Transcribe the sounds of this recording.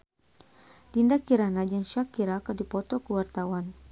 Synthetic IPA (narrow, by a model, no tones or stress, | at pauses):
dindakiɾanad͡ʒaŋʃakiɾakədipɔt̪ɔkuwart̪awan